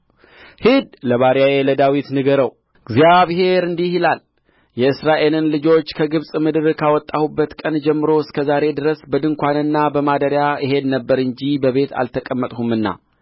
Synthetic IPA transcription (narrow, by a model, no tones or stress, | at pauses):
hid̪ləβaɾjajeləd̪awit̪nɨɡəɾəw | ɡzjaβɦe̞ɾɨnd̪ihilal | jɛɨsɾaʔe̞lɨnlɨd͡ʒo̞t͡ʃːkʰəɡɨβsʼmɨd̪ɨɾkʰawɔt̪ʼːahubːət̪kʼənd͡ʒɛmːɨɾo̞ɪskʰəzaɾe̞d̪ɨɾəsbəd̪ɨŋkʷanɨnːabəmad̪əɾjaɨɦe̞d̪nəbːəɾɨɲd͡ʒibəβe̞t̪a̰lt̪ʰəkʼəmːət̪ʼhumɨnːa̰